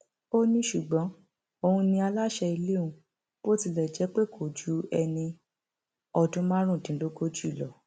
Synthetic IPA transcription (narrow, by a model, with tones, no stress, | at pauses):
o˦nĩ˧ʃu˨ɡ͡bɔ̃˨˦ | o˧hũ˧nĩ˧a˧la˦ʃɛ˧i˧le˦ũ˧˦ | b̥o˦ti˧lɛ˨d͡ʒɛ˨˦k͡pe˦kʰo˨d͡ʒu˨˦ɛ˧nĩ˧ | ɔ˧dũ˧˦mã˦ɾ̃ũ˦˨dĩ˨˦lo˦ɡo˦d͡ʒu˦i˦˨lɔ˨